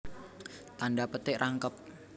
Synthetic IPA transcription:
t̪andapət̪ɪʔrʔaŋkəp̚

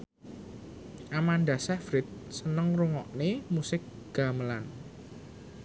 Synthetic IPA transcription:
ʔamandasɛfɾɪt̪̚sənəŋruŋɔʔnemusɪk̚ | ɡ̥a̤məlan

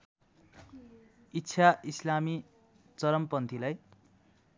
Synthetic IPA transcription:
itːɕʰaislami | t͡sʌɾʌmpʌnt̪ʰilaj

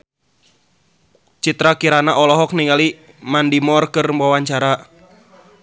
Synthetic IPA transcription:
t͡ʃit̪ɾakiɾanaʔɔlɔɦɔk̚niŋali | mandimɔrkɨrwawaɲt͡ʃaɾa

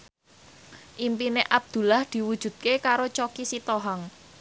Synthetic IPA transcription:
ʔimpineʔab̚d̪̥ṳlahd̪̥i̤wud̥ʒ̥ṳd̪̥̚kekaɾot͡ʃokisit̪oɦɔŋ

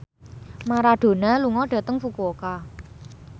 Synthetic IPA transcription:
maɾaɖ̪̥o̤naluŋɔɖ̥ä̤t̪əŋfukuoka

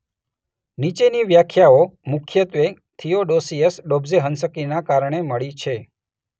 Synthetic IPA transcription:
nit͡ʃeniʋjakʰjaomʊkʰjət̪ʋe | t̪ʰijoɖosiəsɖobzeɦənsəkinakaɾɳeməɭit͡ʃʰe

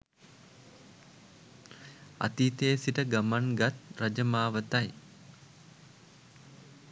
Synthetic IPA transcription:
a̰t̪iːt̪eːsiʈəɡamanɡat̪ɾɐd͡ʒəmaːʋət̪aj

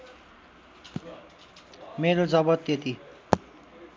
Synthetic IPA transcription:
meɾod͡zʌbʌt̪ːet̪i

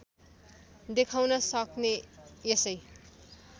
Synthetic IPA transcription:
d̪ekʰawnʌsʌkneesʌj

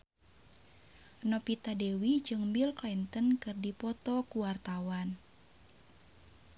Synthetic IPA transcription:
nɔpit̪adewid͡ʒɨŋbilklɛnt̪ənkɨrdipɔt̪ɔkuwart̪awan

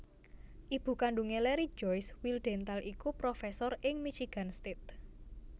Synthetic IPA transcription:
ʔib̥ṳkaɳɖuŋelɛɾi̥d͡ʒɔjswilɖ̥ɛ̤nt̪alʔikupɾɔfɛsɔrɪŋmit͡ʃiɡ̥a̤nst̪ɪt̪̚

